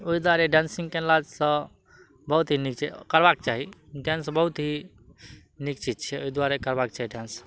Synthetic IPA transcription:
oid̪waɾeɖansĩŋɡkelad͡ʒsə̃ | bəɦut̪ɦinik̚t͡ʃʰɛkəɾbak̚t͡ʃaɦiɖjansbəɦut̪ɦi | nik̚t͡ʃid͡ʒt͡ʃʰɛoid̪waɾekəɾbak̚t͡ʃaɦiɖans

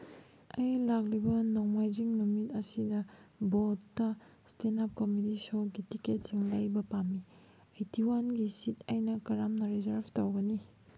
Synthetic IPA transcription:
ɐjlak̚libɐnowmajd͡ʒiŋnumitɐsidɐbotːɐ | stenap̚komitisoɡitiket̚siŋlɐjbɐpamːi | ɐjtiwanɡisitɐjnɐkɐɾamnɐɾizɐɾbʱtowɡɐni

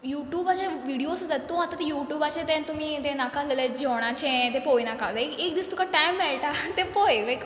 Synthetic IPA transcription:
juːʈjuːbat͡ɕeʋiɽijosd͡zat̪ːũat̪at̪ejuːʈjuːbat͡ɕẽt̪ɛ̃t̪um̤iːt̪ẽnakalələd͡ʑoɽ̃at͡ɕẽt̪epojnakalaɪkeːk̚d̪ist̪ukaʈajmʋɛɭʈat̪epɔjlajk

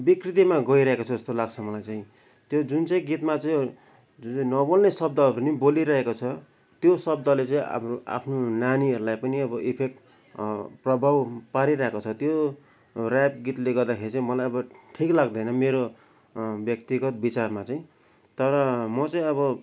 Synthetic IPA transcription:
bikrit̪imaɡʌiɾʌɦekot͡sʰd͡zʌst̪olaɡt͡sʰʌmʌlajt͡saĩ | t̪jod͡zunt͡saĩɡit̪mat͡saĩ | d͡zunt͡sʌĩnʌbolnesʌb̚d̪ʌɦʌɾuniboliɾʌɦekot͡sʰʌ | t̪josʌbd̪ʌlet͡saĩa̰mroa̰pʰnonaniɦʌɾulajpʌniʌbʌʔipʰek̚ʈ | prʌbʱawpaɾiɾʌɦekot͡sʰʌt̪jo | rap̚ɡit̪leɡʌrd̪akʰeɾit͡saĩmʌlajʌbʌʈʰiklaɡd̪ʌjnʌmeɾo | bjʌk̚t̪iɡʌt̪̚bit͡sarmat͡saĩ | t̪ʌɾʌmʌt͡saĩʌbʌ

